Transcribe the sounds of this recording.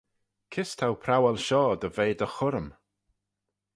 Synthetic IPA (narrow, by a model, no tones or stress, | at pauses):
kʰɪstʰawpʰɾawɛlˠʃɔːd̪əveːd̪əxʊɾəm